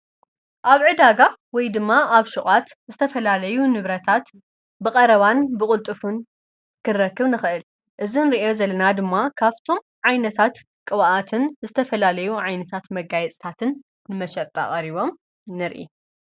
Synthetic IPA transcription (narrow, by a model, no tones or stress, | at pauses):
ʔaβʕɨd̪aɡawɔjd̪ɨmːaʔaβʃuχʼat̪ | zɨt̪ʰɐfɐlalɐjunɨβɾɐt̪ʰat̪ | bɨqʼɐɾɐβanbɨkʼʊlt̪ʼɨfun | kʰɨrɐkːɨβnɨxɨʔɨl | ʔɨzinɨɾiʔo̞zɐlɐnad̪ɨmːakʰaβt̪ʰo̞m | ʕajnɐt̪ʰat̪ | kʼɨβaʔat̪ʰɨnzɨt̪ʰɐfɐlalɐjuʕajnɐt̪ʰat̪mɐɡajɛt͡sʼt̪ʰat̪ʰɨnː | ɨmɐʃɐt̪ʼːa̰χʼɐɾiβo̞m | nɨɾʔḭ